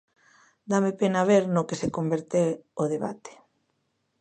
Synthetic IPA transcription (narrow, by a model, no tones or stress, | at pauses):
d̪amepenaβ̞eɾnʊkesekombeɾt̪eoðeβa̰t̪e̥